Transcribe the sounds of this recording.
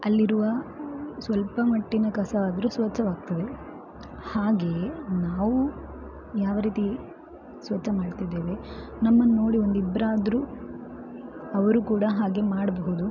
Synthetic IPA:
ɐlːiɾuʋɐsʋɐlpɐmɐʈːinɐkɐsɐaːd̪ɐɾusʋɐt͡ʃːɐʋaːɡ̚t̪ɐd̪e̞ | haːɡe̞ːnaːʋu | jaːʋɐɾiːt̪i | sʋɐt͡ʃːʃːɐmaːɽt̪id̪eːʋe̞nɐmːɐnno̞ːɽio̞nd̪ibɾaːd̪ɾu | ɐʋɐɾukuːɽɐɦaːɡe̞maːɽɐbɐɦud̪u

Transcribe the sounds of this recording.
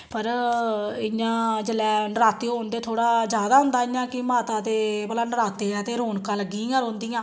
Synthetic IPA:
pəɾ | ɪjãːd͡ʒəlɛːnəɾaːt̪eːɦoːnd̪eːt̪ʰoːɽaːd͡ʒjaːd̪aːɦʊ̃nd̪aːɪjãːkɪmaːt̪aːt̪eːbəlaːnəɾaːt̪eːɛːt̪eːɾoːnkãːləɡːiːãːɾõːnd̪ijãː

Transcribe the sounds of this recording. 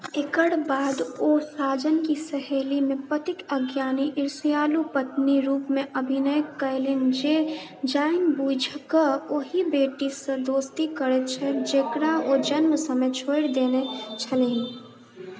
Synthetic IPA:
ekəɽbaːd̪osaːd͡ʒənkisəɦeːlimepət̪ikəɡjaːniʔɪɾsijalupət̪niɾupmeʔəbʱinəjəkːəjlend͡ʒe | d͡ʒaɪnbud͡ʒʱkəoɦibeʈisə̃d̪ost̪ikəɾɛt̪t͡ʃʰɛd͡ʒekɾaod͡ʒənmsə̃met͡ʃʰoɪɾd̪enet͡ʃʰəleɦĩ

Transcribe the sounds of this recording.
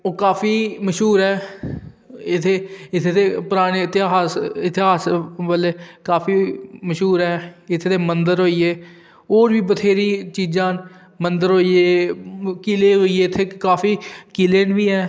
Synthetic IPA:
oːkaːpʰiːməʃɦuːɾɦɛː | ɪt̪ʰeːɪt̪ʰeːt̪eːpʊɾaːɽ̃eːɪt̪ɪaːsɪt̪ɪɦaːsʋəleːkaːpʰiːməʃɦuːɾɦɛːɪt̪ʰːeːt̪ʰeːmənd̪əɾɦoːieː | oːɾʋiːbət̪ʰeːɾiːt͡ʃiːd͡ʒãːn | mənd̪əɾɦoːieːkileːɦoːieːɪt̪ʰːeːkaːfʰiːkileːnʋiːɦɛː

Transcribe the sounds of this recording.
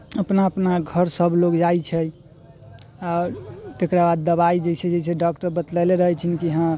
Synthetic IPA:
əpnaəpnaɡʱəɾsəbʱloɡd͡ʒajt͡ʃʰɛ | aɾt̪ekɾabad̪ːəβaid͡ʒet͡ʃʰɛd͡ʒesʰeɖɔkʈəɾbət̪ləleɾəɦɛt͡ʃʰinikiəɦã

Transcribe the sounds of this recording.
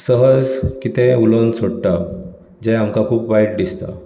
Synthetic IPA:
səɦəd͡zkit̪ɛ̃ulonsoɽʈa | d͡ʑɛ̃amkakʰuːpʋajʈdist̪a̰

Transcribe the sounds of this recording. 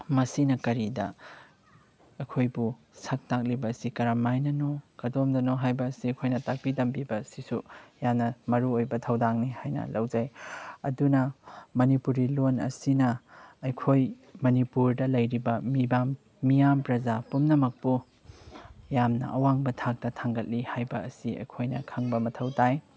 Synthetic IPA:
mɐsinɐkɐɾidɐ̰ | ɐkʰojbu | sɐk̚tak̚libɐːsikɐɾamajnɐnoɡ̥ɐdomdɐnɔɦajbɐːsiɐkʰojnɐtak̚pitɐmpibɐsisujamnɐmɐɾuojbɐtʰɐwdaŋnihajnɐ̰lɐwzajɐdunɐmɐnipuɾilonɐ̰sinɐɐjkʰoj | mɐnipuɾdɐlɐjɾibɐmibamː | ijampɾɐzapumnɐmɐk̚pu | jamnɐ̰ʔɐwaŋbɐtʰak̚tɐtʰaŋɡɐt̚lihajbɐɐsiɐ̰jkʰojnɐkʰɐŋbɐmɐtʰɐwtaj

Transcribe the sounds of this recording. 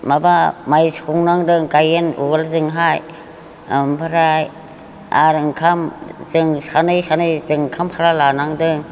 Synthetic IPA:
mabamajskuŋnaŋdɯŋkajenṵɡalzɯŋɦaj | mbʰaɾaj | a̰ɾɯŋkʰamzɯŋsanɯjsanɯjzɯŋkʰamhʰaɾalanaŋdɯŋ

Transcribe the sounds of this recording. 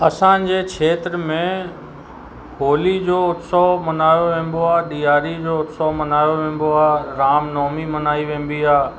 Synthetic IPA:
ɐsãd͡ʑeːkʰeːt̪ɾəmẽ | ɦoːlid͡ʑoːʊt̪sɔmɐnaːjoʋẽːn̆d̪oaːɗiːaːɾid͡ʑoːʊt̪sɔmɐnaːjoʋẽːn̆d̪oaːɾaːmnɔːmimɐnaːiʋẽːn̆b̪iaː

